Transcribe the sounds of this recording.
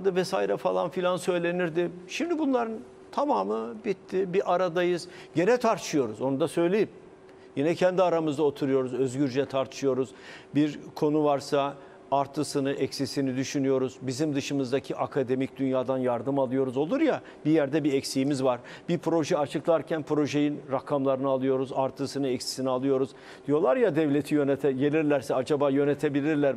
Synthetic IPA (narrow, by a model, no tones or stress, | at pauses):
d̪ɯvɛsaːiɾɛfalˠanfilʲansø̞jlʲe̞niɾd̪ɪʃimd̪ibunlˠaɾɯn | t̪ʰamaːmɯbit̪ʰːibiʔaɾad̪ajɯzɟe̞nɛt̪ʰaɾt̪ʰɯ̥ʃɯjo̞ɾuzo̞nud̪asø̞jlʲe̞jim | jinɛcʰɛnd̪iaɾamɯzd̪ao̞t̪ʰuɾujo̞ɾuzø̞zɟyɾd͡ʒɛt̪ʰaɾt̪ʰɯ̥ʃɯjo̞ɾuzbiɾkʰo̞nuvaɾsa | aɾt̪ʰɯsɯnɯʔɛcsisinid̪yʃynyjo̞ɾuzbizimd̪ɯʃɯmɯzd̪acʰiʔakʰad̪e̞mic̚d̪ynjaːd̪anjaɾd̪ɯmalˠɯjo̞ɾuzo̞lˠuɾja | bijæɾd̪ɛbiɛcsijimizvaɾbipʰɾo̞ʒɛat͡ʃʰɯklˠaɾcʰænpʰɾo̞ʒe̞jinɾakʰamlˠaɾɯnɯalˠɯjo̞ɾuzaɾt̪ʰɯsɯnɯɛcsi̥sinialˠɯjo̞ɾuz̥ | d̪ijo̞lˠaɾjad̪ɛvlʲe̞t̪ʰijø̞net̪ʰɛɟe̞lʲiɾlʲæɾsɛad͡ʒabaːjø̞net̪ʰe̞bilʲiɾlʲæɾ